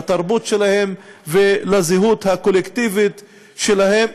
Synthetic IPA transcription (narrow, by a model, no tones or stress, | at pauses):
t̪aʁbut̪ʃelahe̞mvelaziɦut̪hakolekt̪ivit̪ | ʃelaɦem